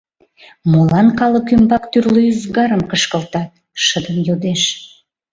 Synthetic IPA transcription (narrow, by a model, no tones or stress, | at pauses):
molɑnkɑləkymbɑkt̪yrlyyzɡɑɾəmkəʃkəlt̪ɑt̪̚ | ʃəd̪əmjod̪eʃ